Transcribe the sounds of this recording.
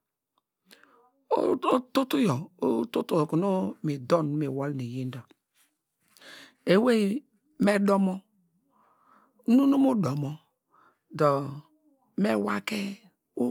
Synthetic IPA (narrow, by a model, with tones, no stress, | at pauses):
o̰˦o˦tu˦tu˦jɔ˨o˦tu˦tu˦˨ku˨no˦mi˨dɔ˦˨n˦mi˨wɔ˦lni˨ji˦n˦dɔ˨ | e˨we˦ | me˦dɔ˦mɔ˦ | nu˦nu˦mo˦dɔ˨mɔ˦ | dɔ˨ | me˦wa̰˦ke˦ | o˦